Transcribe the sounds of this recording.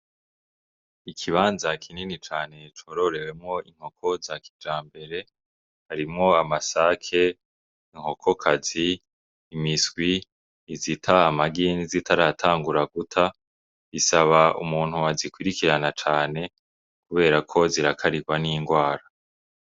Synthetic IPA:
ikʰiβaːnzakʰininit͡ʃaːne̞t͡ʃo̞ɾo̞ɾe̞we̞mŋo̞iŋ̥ho̞kʰo̞zaki̥d͡ʒaːmbe̞ɾe̞ | haɾimŋo̞amasaːkʰe̞ | iŋ̥ho̞kʰo̞kʰaziː | misɡwiː | zitʰaːmaɡinizitʰaɾatʰaːŋɡuɾaɡutʰa | isaβaṵmuːn̥huazikwiɾikiɾanat͡ʃaːne̞ | kuβe̞ːɾakʰo̞ziɾakʰaɾiɡwaniːŋɡwaːɾa

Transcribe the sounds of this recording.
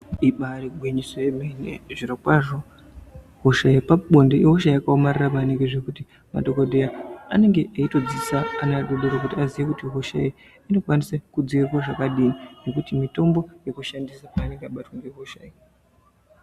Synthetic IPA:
iɓaɾiɡʱwiɲisojemenḛʐirokwaʐo̞ | ɦoʃajipaɓo̞ndeʔiɦoʃ̬aiakaomariramane̞ŋɡe̞ʐekuti | ma̰ɗo̞kodʱejaane̞ŋɡe̞ʔeito̞d͡zisaːnaɗoɗoɾok̬utiazijekutiɦoʃa̰ji | ino̞kwanisekud͡ziirwaʐakaɗiːnine̞kutimito̞mbo̞je̞kuʃandisapaːneŋɡeaɓatwaŋɡeɦoʃai

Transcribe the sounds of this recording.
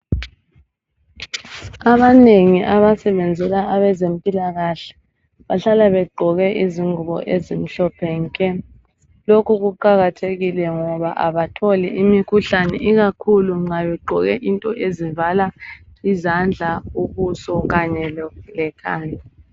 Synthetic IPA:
aβaneŋiʔaβasɛβɛnd͡zʱɛlaʔaβɛzempʼilaɣaɬɛ̥ | βaɬalaβɛɡ͡ǃʱɔɣɛʔiziŋʱuβɔ̰ʔezim̩ɬɔpʰɛŋkʼɛ | lokʰuɣuǃaɣatʰeɣilɛŋɔβa̰ʔaβatʰolḭʔimikʰuɬanɛ̰ʔiɣakʰuluŋ͡ǀaβɛɡ͡ǃʱɔɣɛʔintʼɔʔezivalaizand͡ɮʱauβusɔɣaɲɛlɔlɛkʰaːnʱi

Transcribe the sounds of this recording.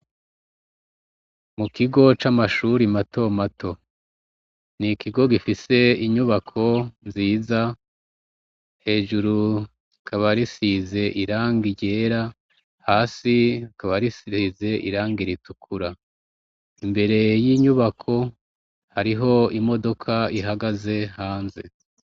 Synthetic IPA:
mukiɡo̞t͡ʃamaʃuɾimato̞matʰo̞ | nikʰiɡo̞ɡifise̞iɲuβakʰo̞nziːza | he̞ːʒuɾu | kʰaβaɾisize̞ʔiɾaːŋɡiɟe̞ːɾa | haːsikaβaɾisize̞ʔḭɾaːŋɡiɾitukʰuɾa | imbe̞ɾe̞jiɲuβakʰo̞ | haɾiɦo̞imo̞do̞kʰaiɦaɡaze̞haːnze̞̰

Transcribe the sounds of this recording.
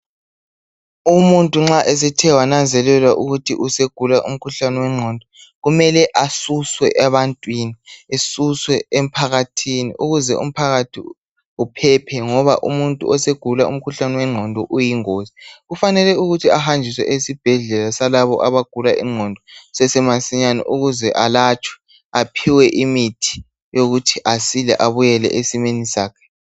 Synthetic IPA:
umuntʼuŋ͡ǁaʔes̬itʰɛwanand͡zʱɛlɛlwaʔuɣutʰḭʔuseɡ̥ʱulaʔum̩kʰuɬanɛwɛŋ͡ǀʱɔndʱɔɣumɛlɛʔasuswɛʔɛβantʼwiniesuswɛem̩pʰaɣatʰinḭʔuɣuzɛ̰ṵm̩pʰaɣatʰḭ | upʰɛpʰɛŋɔβaʔṵmuntʼṵʔɔseɡ̥ʱulaṵm̩kʰuɬanɛwɛŋ͡ǀʱɔndʱɔʔujiŋoːziɣufanɛlɛuɣutʰiahand͡ʒʱiswɛ̰ʔesib̥ʱɛɮɛlasalaβɔ̰ʔaβaɡ̥ʱulaʔḭŋ͡ǀʱɔndʱɔsɛsɛmasiɲanɔ̰ʔuɣuzɛʔalat͡ʃʰʼwɛ̥ | apʰiwɛʔimitʰi̥ | joɣutʰiʔasilɛ̰ʔaβujɛlɛ̰ʔesimenisaːkʰɛ̥

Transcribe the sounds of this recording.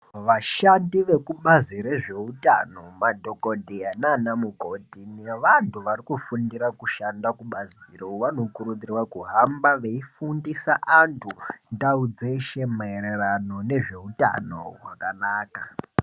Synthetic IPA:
ʋaʃandiʋe̞kuɓazire̞ʐe̞uta̰no̞madʱo̞kodʱiananamukotineʋantʰuʋarikufundiɾakuʃandakuɓazirouʋano̞kurud͡zirwakuɦambaʋeifundisaʔantʰundaud͡ze̞ʃe̞maeɾe̞rano̞ne̞ʐe̞uta̰no̞̰wakanaːka

